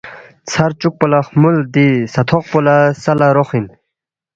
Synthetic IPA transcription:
t͡sʰaɾt͡ɕuk̚polaχmuld̪isat̪ʰoq̚polasalaɾoχin

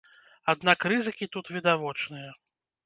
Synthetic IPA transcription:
ad̪nakrɨzɨkʲit̪ut̪vʲid̪avɔt͡ʂnɨjɐ

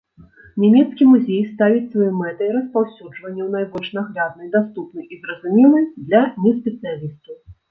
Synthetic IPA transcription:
nʲɛmʲɛt̪skʲimuzʲejst̪avʲit͡sʲsvajɔmɛt̪ɨiɾɐspawsʲud͡ʐvɐnʲːɛwn̪ajbɔlʲʂnaɣlʲad̪̚nɐjd̪ast̪upnɨjʔizrɐzumʲɛlˠɨjd̪lʲɐnʲɛspʲɛt̪sɨjalʲisʲt̪ʲi

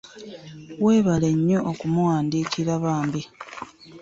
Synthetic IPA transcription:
we̞ːβale̞ɲːoʔokumuwaːndiːkiɾaβaːmbi

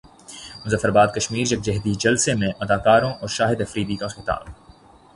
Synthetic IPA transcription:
mʊzəfːəɾbaːd̪̚kɐʃmiːɾd͡ʒɐk̚d͡ʒɐɦd̪id͡ʒɐlsemẽʔɐd̪aːkaːɾõʔɔːɾʃaːɦɪd̪ɐfɾiːd̪iːt̪ãxɪt̪a̰ːb

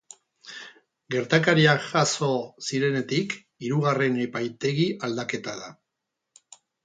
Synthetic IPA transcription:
ɡe̞ɾt̪akaɾiaʝaso̞siɾe̞ne̞t̪ik | iɾuɣare̞nepajt̪e̞ɣiʔald̪ake̞t̪aða

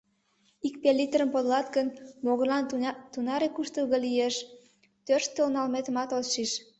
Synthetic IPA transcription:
ikpelʲːit̪ɾəmpod̪lɑt̪kənmoɣəlɑnt̪unɑɾekuʃt̪əlɣəlieʃ | t̪ørʃt̪ːəlnɑlmet̪əmɑt̪olʃiʃ

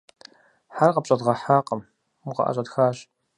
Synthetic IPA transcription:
ħarqɐpɕʼɐdʁɐħaːqəm | muqɐ̰ʔɐ̰ɕʼɐdxaːɕ

